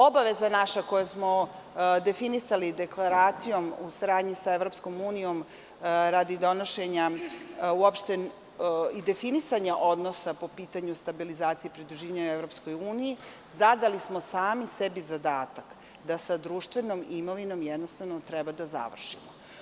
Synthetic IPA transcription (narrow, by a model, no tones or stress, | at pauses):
obaʋe̞zanaʃako̞jasmo̞ | d̪e̞finisalid̪e̞klˠaɾaːt̪sijo̞musaɾaːd̪ɲisaeʋɾo̞psko̞muːnijo̞m | ɾad̪id̪o̞noʃe̞ɲa | uopʃt̪e | id̪e̞finisaɲaʔo̞d̪no̞sapo̞piːt̪aɲust̪abilizaːt̪ijepɾid̪ɾuʒiːʋaɲauevɾo̞psko̞juːniji | zad̪alismo̞saːmisebizad̪aːt̪ak | d̪asad̪ɾuʃt̪ʋe̞no̞mimo̞ʋino̞mjed̪nost̪aʋnot̪ɾɛbad̪aza̰ʋr̩ʃimo